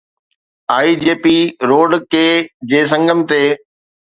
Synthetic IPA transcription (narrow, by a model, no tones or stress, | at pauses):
aːid͡ʑeːpiɾoːɖkeːd͡ʑeːs̬ɐ̃ŋɡʱəmt̪eː